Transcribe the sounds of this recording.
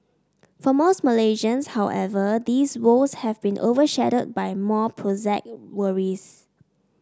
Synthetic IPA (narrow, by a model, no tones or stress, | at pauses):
fɔmos̚məleʒə̃nshawʔɛvəd̪iswoshɛvbĩnʔo̰vəʃɛɾəd̚bajmɔpʰɹozɛk̚wəɹis